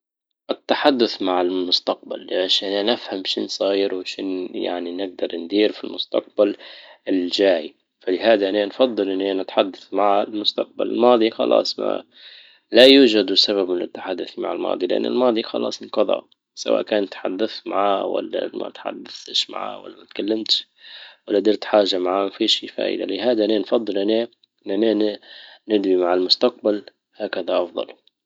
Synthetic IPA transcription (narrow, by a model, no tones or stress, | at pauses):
ʔɪt̪ːaħad̪ːʊθmaʕɪlmʊst̪aq̚balːʔʃananɪfhamʃɪnsˤɑɣiːɾwʃɪnja̰ʕninɪɡ̚d̪ɑɾˤnd̪iːɾfilmʊst̪ɑ̰q̚balɪld͡ʒaːj | falɪɦaːd̪aʔananfɑd̪ˤːɨlʔɪnːiʔanat̪ħad̪ːaθmaʕalmʊst̪ɑq̚ba̰lɪ̰lmɑːd̪ˤixɑ̰lʔɑ̰ːsˤma̰ | lajuːʒad̪saβabmɪnɪt̪ːḁħad̪ːʊθma̰ʕalmɑ̰ːd̪ˤilɪʔa̰nːɪ̰lmɑːd̪ˤixɑ̰lɑ̰ːsˤqɑðˤɑ̰ | sawa̰ːʔkaːnt̪ħad̪ːaθmaʕaːwa̰lːa̰ma̰t̪ħa̰d̪ːaθʃma̰ʕa̰ːwa̰lːamat̪kalːamt̪ʃ | walːad̪ɪɾt̪ħaːʒamaʕaːmafiʃḭːfa̰ːʔɪ̰d̪a̰lɪɦaːd̪aʔnenfɑd̪ˤːɨlʔane | nʔanennɪd̪wimaʕɪlmʊst̪aq̚bal | haːkaðaʔɑfd̪ˤɑ̰l